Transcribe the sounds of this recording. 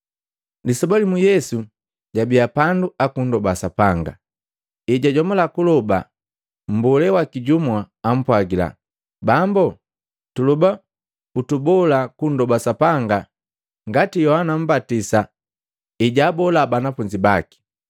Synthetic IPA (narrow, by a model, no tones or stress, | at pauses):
lisɔbalimujɛsu | ɟabijapanduakun̩dɔbasapaŋɡa̰ | iɟaɟɔmɔlakulɔba̰ | m̩bɔlɛwakiɟumwaːm̩pwaɡila̰ | bambɔ | tuluba | utubɔlakun̩dɔbasapaŋɡa | ŋɡatijɔhanam̩batisa | iɟaːbɔlabanafuɲd͡ʒibaki̥